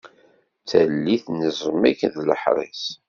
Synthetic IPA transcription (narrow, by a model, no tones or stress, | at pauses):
t͡sælːiθnizˤəmækðləħɾˤḛs